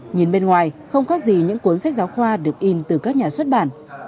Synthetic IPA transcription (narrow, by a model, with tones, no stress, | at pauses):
ɲi˨˩nɓe˧nŋwaː˨˩jxə˧wŋ͡mkaː˦˥k̚zi˨˩ɲɨ̰˧˥ŋku˨˦ənsa˦˥k̚zaː˨˦wxwaː˧ɗɨ˨˩ək̚ʔi˧nt̪ɨ˨˩kaː˦˥k̚ɲaː˨˩swə˦˥t̚ɓa̰ː˧˩˨n